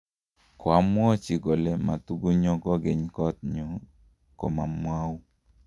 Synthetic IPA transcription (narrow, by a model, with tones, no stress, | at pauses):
kwa˨˦mwɔ˦t͡ʃi˨ɡo˨lɛ˦ma˨t̪u˦ɡu˦ɲɔ˦ɡɔ˦ɡe˨ɲkɔ˦t̪̚ɲu˨ | ko̰˨ma˨mwa˦w